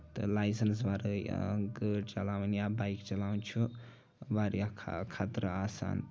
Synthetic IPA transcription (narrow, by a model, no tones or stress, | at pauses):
t̪ʌ̰lajsənsbaɾəɡəʈt͡ʃɐlawnjabajkt͡ʃɐlaw̃nt͡ʃʰu | baɾijakʰkʰat̪ɾəasa̰ːn